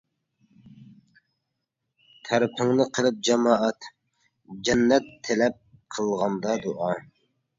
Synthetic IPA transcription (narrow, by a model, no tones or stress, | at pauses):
t̪ʰæɾpʰɪŋnɪqʰəlˠɨp̚d͡ʒɑmɑːʔɑt̪ | d͡ʒɛnːɛt̪ʰːelɛp̚qʰəlˠʁɑnd̪ɑd̪uʔɑ